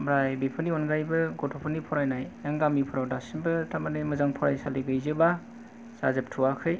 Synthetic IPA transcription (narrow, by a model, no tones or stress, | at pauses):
bajbipʰɯniɔnɡajbɯɡɔtʰopʰɯnipʰɔɾajnajjaŋɡamipʰɔɾawdasinbɯtamanɯmɯzaŋpʰɔɾa̰jsaliɡɯjzɯba | sa̰zɯp̚tʰuwakʰɯj